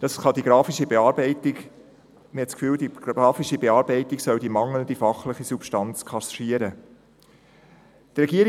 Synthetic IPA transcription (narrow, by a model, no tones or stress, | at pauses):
d̥̪ɑsχɑdiɡ̥ɾɑːfiʃibeɑːɾbɛɪtɪɡ | məhɛtskfyːldiɑːfiʃibeɑːɾbɛɪtiɡsœldimɑŋlənd̪ifɑχləχisupʃtɑnt͡skʰɑsʃiəɾə | d̪̥ərɛɡiəɾ